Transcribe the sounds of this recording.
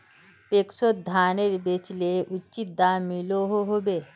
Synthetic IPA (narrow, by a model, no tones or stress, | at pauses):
pekʃot̪̚d̪ʱaːneɾbet͡ʃleʔʊtːt͡ʃit̪̚d̪amiloɦoɦobe